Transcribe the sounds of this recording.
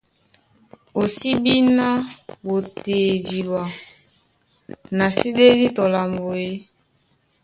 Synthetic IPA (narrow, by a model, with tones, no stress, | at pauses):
o˨si˦bi˦na˦bo˨te˨d͡ʒi˨ba˨ | na˨si˦de˦di˦tɔ˨la˨mbo˨e˦